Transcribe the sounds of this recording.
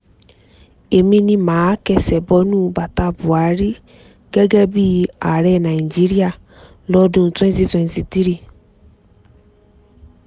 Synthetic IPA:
e˨mĩ˧nĩ˧mãː˨˦kɛ˧sɛ˨bɔ˧˦nũː˦˨˧ba˨ta˧bu˨a˨˦ɾi˦ | ɡɛ˦ɡɛ˦bi˦˧a˨ɾɛ˦˨nã˨i˨d͡ʒi˨˦ɾi˦a˦˨ | lɔ˦dũ˧˦tɛ̃˦si˦sɔ̃˧˨n˨si˨ti˦ɾi˦˨

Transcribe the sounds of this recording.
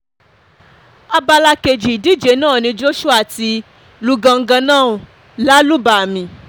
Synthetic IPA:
a˧ba˧la˧ke˨d͡ʒi˨i˨di˦d͡ʒe˨˦nãː˦˨nĩ˧d͡ʒo˦ʃu˦a˦˨ti˧ | lu˧ɡã˧ŋ̩˦ɡã˧nãː˦˨ | la˦lu˦ba˨a˨mĩ˨

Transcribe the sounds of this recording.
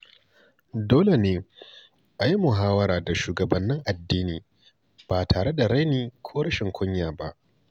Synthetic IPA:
doː˦le˨neː˨ | ʔa˨ji˦mʊ˨ɦaː˦wɐ˦ɾaː˨da˨ʃuː˨ɡɐ˨bɐ˨nːɪ˦ŋʔa˨dːiː˦niː˨ | b̥aː˨tʰaː˨ɽe˦da˨ɾa˦niː˨kʷʰoː˦ɽɐ˦ʃɪ˨ŋkʷʊ˦ɲjaː˨ba̰˦ʔ

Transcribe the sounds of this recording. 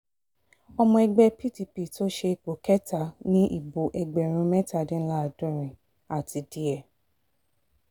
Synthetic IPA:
ɔ˧mɔ̃˧ɛ˧ɡ͡bɛ˧pi˦˨ti˨pi˨to˦ʃe˧˨k͡po˨kɛ˦ta˦˨nĩ˦ʔḭ˦˨bo˨ʔɛ˧ɡ͡bɛ˨ɾ̃ũ˧mɛ˦ta˦˨dĩ˦la˦a˨dɔ̃˦˨ɾ̃ĩ˨ | a˨tʰi˨˧di˨˦ɛ˨

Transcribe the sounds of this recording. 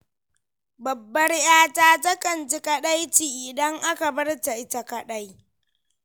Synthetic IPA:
bɐ˨bːɐ˦rjaː˦taː˦tɐ˦kʼɐ˨nt͡ʃi˦kɐ˦ɗa˦jt͡ʃiː˨ʔɪ˨dɐ˦ŋʔa˦ka˨bɐ˦rta˨ʔɪ˦ta˨kɐ˦˨ɗa˦j

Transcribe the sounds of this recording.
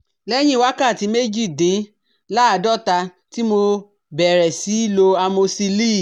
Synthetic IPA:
lɛ˦j̃ĩ˦˨wa˦ka˦˨ti˨˧˦me˦d͡ʒi˦˨dĩ˨˦ | la˦a˨dɔ˦˨ta˧ | ti˦mo˧ | bɛ˨ɾɛ˨si˨˦i˦˨lo˧a˧mõ˧si˧li˦˨

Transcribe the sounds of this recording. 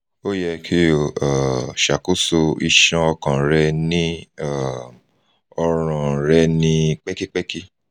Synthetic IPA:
o˦jɛ˧kʰi˦o˨a˨ʃa˨ko˦so˧i˧ʃã˧ɔ˧kã˨ɾɛ˧nĩ˦a˦˨m | ɔ˧ɾ̃ã˨ɾɛ˧nĩ˧k͡pɛ˦ki˦k͡pɛ˦ki˦

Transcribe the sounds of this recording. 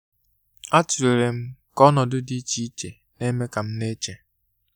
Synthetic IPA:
a˦tu˨ɾe˨ɾe˨m̩˦kɔ˦nɔ˨dʊ˦di˦t͡ʃi˦i˦t͡ʃe˨ | ne˦me˦ka˨m̩˦ne˦t͡ʃe˨

